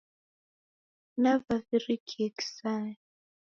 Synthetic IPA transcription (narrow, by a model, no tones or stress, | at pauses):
navavirikʰɛki̥sa